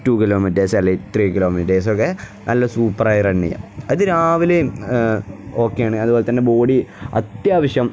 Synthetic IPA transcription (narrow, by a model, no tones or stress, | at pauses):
tuːkiloːmieːsɐlːit̪riːkilo̞ːmieːs̬okːe | nʔɐlːɐsuːpːɐraːjreɳːḭja̰ɐðɨɾaːʋile | o̞ːkːejaːɳɨɐðuboːlet̪ɐnːebo̞ːɽiɐ̰t̪jaːʋɐɕjɐm